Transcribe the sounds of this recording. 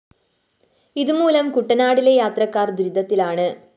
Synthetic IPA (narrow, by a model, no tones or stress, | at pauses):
iðɯmuːlɐmkʊʈːɐnaːɽɪlejaːt̪rɐkːaːrd̪ʊɾɪðɐt̪ːɪlaːɳɨ